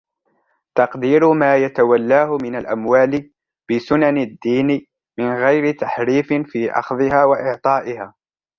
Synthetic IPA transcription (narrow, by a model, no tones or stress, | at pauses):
t̪ɑqd̪iːɾʊmaːjat̪awalːaːhʊmɪnalʔa̰mwaːlɪ | b̥ɪsʊnanad̪ːiːnɪ | mɪnɣajɾɪt̪aħɾiːfɪnfiːʔɑ̰xðˤɨhaːwaʔɪʕt̪ˤɑːʔɪhaː